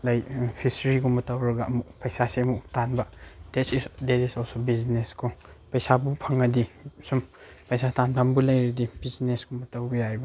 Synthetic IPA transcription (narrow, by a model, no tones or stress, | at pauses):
lajpʰisɾiɡumɐtɐwɾɐɡaɐmuk̚pɐjsaseɐmuktanbɐdetsisdetisɔlsobizneskopɐjsabupʰɐŋːɐdisumpɐjsatanpanbulɐjɾidibiznesɡumɐtawbɐjajbɐ